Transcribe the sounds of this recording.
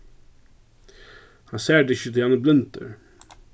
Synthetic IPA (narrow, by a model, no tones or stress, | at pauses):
hɑnsæːɖəɪçət̪ʰɪlɑnəblʏnt̪ə̰ɹ